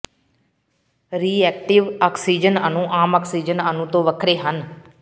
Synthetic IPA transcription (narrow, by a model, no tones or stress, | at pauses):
ɾiːɛːk̚ʈɪʋaːksiːd͡ʒənənũːʔaːmaːksiːd͡ʒənənũːt̪õːʋəkʰɾeːɦən